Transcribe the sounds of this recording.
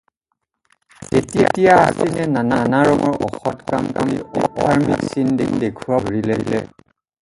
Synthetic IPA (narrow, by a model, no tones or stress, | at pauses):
etietijaa̰sinɛnananaɹɔŋɔɹʔɔxɔtka̰mkɔlḭoɔɹmḭksindendekʰuwabʱɹileilɛ̰